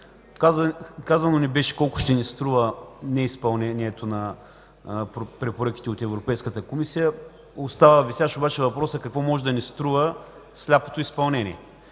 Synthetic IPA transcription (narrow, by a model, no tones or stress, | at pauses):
kakazɐnonibɛʃɛ̥kɔlˠkʊ̥ʃt̪ɛnist̪ɾuvənɛispɐlˠnɛniɛt̪onɐ | pɾɛpoɾɤk̟i̥t̪ɛot̪ɛvɾopɛjskət̪əkomisijə | ost̪avəvisʲjaʃobat͡ʃɛvɐpɾɔsəkɐkvɔmɔʒɛd̪ɐnist̪ɾuvə | slʲapo̥t̪oispɐlˠnɛnḭɛ